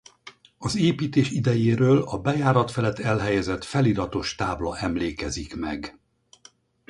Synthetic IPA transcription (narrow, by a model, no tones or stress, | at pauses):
ɒzeːpiːt̪eːʃid̪ɛjeːɾøːlɒbɛjaːɾɒt̪fɛlɛt̪ːɛlɦɛjɛzɛt̪fɛlid̪ɒt̪o̞ʃt̪aːblɒʔɛmleːkɛzikmɛ̰ɡ